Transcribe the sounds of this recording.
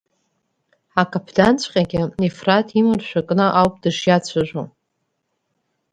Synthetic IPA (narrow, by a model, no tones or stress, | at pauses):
akʰʼapʰdant͡ɕʷʼqʲʼaɡʲɪnefratʰʼimɨrʃᶣakʼnɨʔawpʼd̥ɨʂjat͡ɕʷʰaʒᶣʷo